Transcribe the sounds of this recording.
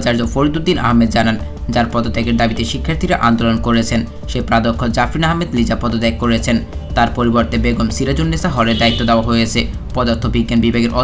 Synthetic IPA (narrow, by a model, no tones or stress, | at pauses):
t͡ɕaɾd͡ʑofoɾid̪ud̪ːinʔa̰ɦmed̪̚d͡ʑanan | d͡ʑaɾpɔd̪od̪ajɡeɾd̪abit̪eʃikʰːaɾt̪ʰiɾaʔand̪olonkoɾet͡ɕʰen | ʃepɾad̪okʰːod͡ʑafɾinaɦmed̪lid͡ʑapɔd̪od̪ejkːoɾet͡ɕʰent̪aɾpoɾiboɾt̪ebeɡomsiɾad͡ʑonːesaɦɔleɾd̪ait̪ːod̪ɛoaɦojet͡ɕʰe | pɔd̪aɾt̪ʰobiɡːanbibʱaɡeɾʔɔ